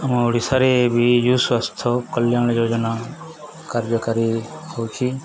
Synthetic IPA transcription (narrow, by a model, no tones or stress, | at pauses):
əmoːɽisaɾebʱijuːsʋast̪ʰokəljaːɳ̃joːd͡ʒna | kaɾd͡ʒəkaɾihot͡ʃʰi